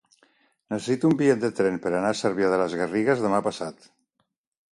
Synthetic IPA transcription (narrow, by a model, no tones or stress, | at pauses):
nəsesit̪uumbiet̪d̪ət̪ɾɛnpəɾanasəɾβjaðələzɣəriɣəzðəmapasat̪